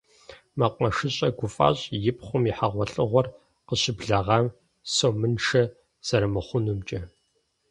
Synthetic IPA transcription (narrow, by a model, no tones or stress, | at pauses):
mɐqʷɐʂɨɕʼɐɡʷʊfʼa̰ːɕʼjɪpχʷʊmiħaʁʷɔɬʼɨʁʷɔr | qəɕɪbɮɐʁɐm | soːmɨnʃɐ | z̥ɐɾɐmɐχʷʊnumt͡ʃʼɐ